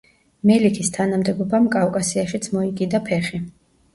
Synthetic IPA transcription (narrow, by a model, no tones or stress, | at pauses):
mɛlikʰist̪ʰanamd̪ɛɡɔbamkʼafkʼasiaʃit̪sʰmɔikʼid̪apʰɛχi